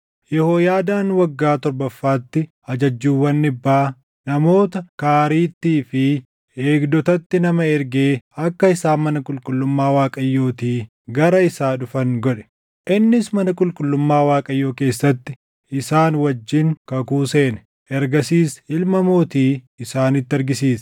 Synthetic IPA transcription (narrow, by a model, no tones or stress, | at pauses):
jɛhoːjaːd̪aːnwɐɡːaːt̪ɔɾbɐfːaːt̪ːɪ | ɐd͡ʒɐd͡ʒːuːwːɐnːɪbːaː | nɐmo̞ːt̪ɐkaːɾiːt̪ːiːfɪ | eːɡd̪ɔt̪ɐt̪ːɪnɐmɐɛɾɡeːɐkːɐɪsaːmɐnɐkʼʊlkʼʊlːʊmːaːwaːkʼɐjːo̞ːt̪iː | ɡɐɾɐɪsaːᶑʊfɐŋɡɔᶑɛ̥ | ʔɪnːɪsmɐnɐkʼʊlkʼʊlːʊmːaːwaːkʼɐjːo̞ːke̞ːsːɐt̪ːɪ | ɪsaːnwɐd͡ʒːɪŋkɐkuːse̞ːnɛ̥ | ʔɛɾɡɐsiːsɪlmɐmoːt̪iː | ɪsaːnɪt̪ːɐɾɡɪsiːs